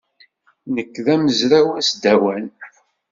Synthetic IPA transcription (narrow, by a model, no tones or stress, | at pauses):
nəkːðæməzɾæwæsd̪æwæn